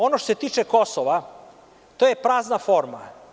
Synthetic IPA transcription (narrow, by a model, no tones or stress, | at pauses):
o̞noʃt̪oset̪iːt͡ʃeko̞soʋa | t̪ojepɾaːznafoɾma̰